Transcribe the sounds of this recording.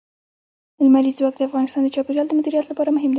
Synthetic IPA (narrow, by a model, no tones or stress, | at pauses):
ɪlmaɾizwɑk̚d̪əafɣɑnɪst̪ɑnd̪ət͡ʃɑpeɾjɑld̪əmʊd̪iɾijat̪lapɑɾamʊɦɪmd̪